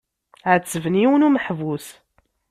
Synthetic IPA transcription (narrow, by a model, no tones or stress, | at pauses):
ʕət͡sːəvəniwənuməħvus